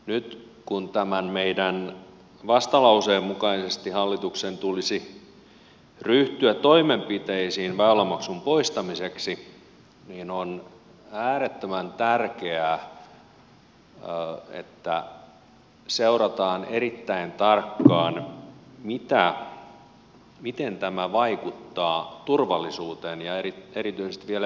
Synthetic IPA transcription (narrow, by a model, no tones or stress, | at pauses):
nyt̪ | kunt̪æmænmeidæn | ʋɑst̪ɑlɑuseːmːukɑisest̪ihɑlːit̪uksent̪ulisi | ryht̪yætt̪ːoimempit̪eisiːnʋæolːɑmɑksumpoist̪ɑmiseksi | niːnon | æːɾet̪ːømænt̪ærkeæ | ḛt̪ːæ | seurɑt̪ɑːneɾit̪ːæint̪ɑrkːɑːnmit̪æ | mit̪ent̪æmæʋɑikut̪ːɑːt̪urʋɑlːisuːt̪enjɑeieɾit̪yisest̪ʋiel